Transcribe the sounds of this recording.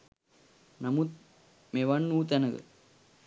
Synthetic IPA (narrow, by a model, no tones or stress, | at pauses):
nɐmut̪̚ | meʋɐnːuːt̪ɛnɐɡə̰